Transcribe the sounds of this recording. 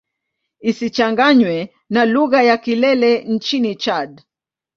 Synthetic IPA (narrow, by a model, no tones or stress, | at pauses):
isit͡ʃaŋɡaɲwɛ | naluɣajakilɛlɛn̩t͡ʃinit͡ʃad